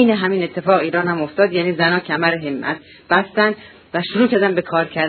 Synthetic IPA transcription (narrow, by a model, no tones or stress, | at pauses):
jneɦæmiːne̞t̪ʰːe̞fɒːɣiːɾɒːnhæmoft̪ɒːd̪jæniːzænɒːcʰæmæɾeɦemːʔæ̰t̪̚ʰ | b̥æst̪ænd̪ | væʃoɾuːcʰæɾd̪ænbe̞kʰɒːɾcʰæɾd̪